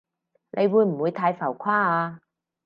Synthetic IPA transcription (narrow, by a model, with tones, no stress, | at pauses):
nʔe˨˧jwuː˨˧jm̩˨˩wuː˨˧jt̪ʰaː˧jfɐ˨˩wkʷʰwaː˥˩aː˧